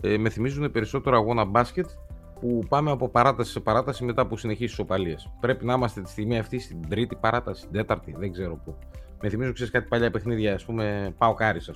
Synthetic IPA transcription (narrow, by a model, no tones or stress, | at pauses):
eme̞θimizune̞pe̞ɾiso̞t̪e̞ɾoɐɣo̞nɐbɐsce̞t̪ | pupɐme̞ɐpo̞pɐɾɐt̪ɐsi̥se̞pɐɾɐt̪ɐsime̞t̪ɐpusine̞çisiso̞pɐliɐspɾe̞pinɐimɐst̪e̞t̪i̥st̪iɣmiɐft̪ist̪id̪ɾit̪ipɐɾɐt̪ɐsi̥d̪e̞t̪ɐɾt̪iðeɡze̞ɾo̞pu | meθimizuokiseskɐt̪i̥pɐʎɐpe̞xniðʝɐːspume̞pɐokɐɾisɐ